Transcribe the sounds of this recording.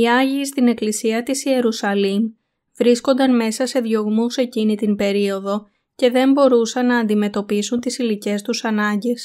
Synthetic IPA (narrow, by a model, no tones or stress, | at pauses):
iɐʝiːst̪ine̞klisiɐt̪isie̞ɾusɐlim | vɾisko̞nd̪ɐnme̞sɐse̞ðʝo̞ɣmuse̞cinit̪imbe̞ɾio̞ðo̞ | ce̞ðe̞mbo̞ɾusɐnːɐːnd̪ime̞t̪o̞pisunt̪isilice̞st̪usɐnɐɲɟe̞s